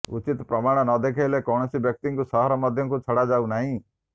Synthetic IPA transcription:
ʊ̰t͡ʃɪt̪pɾɐmaːɽ̃nɔd̪eːkʰeːlekɔːñsibjək̚t̪ɪŋkusɔɦɾɔməd̪ʱjkut͡ʃʰəɽad͡ʒaːunaːɦĩː

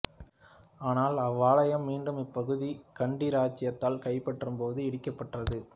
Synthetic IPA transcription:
aːnaːlɐʋːaːlɐjɐmːiːɳɖɯmɪpːɐɣɯðikɐɳɖiɾaːt͡ʃːɪjɐt̪ːaːlkɐɪpːɐʈrɯmpoːðɯɛɽɪkːɐpːɐʈrɐðɯ

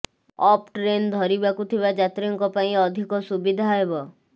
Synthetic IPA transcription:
ɔp̚ʈɾend̪ʱɔɾibakut̪ʰibad͡ʒat̪ɾiɔŋkɔpaĩɔd̪ʱikɔsubid̪ʱaɦɔɦebɔ

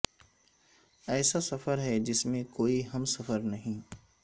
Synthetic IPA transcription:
ɛːsasɐfəɾɦɛd͡ʒɪsmẽkoːiɦɐmsɐfəɾnɐɦĩː

